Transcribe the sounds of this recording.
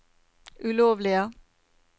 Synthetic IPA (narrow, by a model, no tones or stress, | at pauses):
ʉloːʋliə